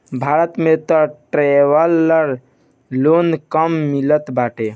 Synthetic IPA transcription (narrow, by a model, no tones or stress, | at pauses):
bʱaɾət̪met̪ɔ̃ʈɾeʋəlːəɾ | lonkəmːilət̪baʈe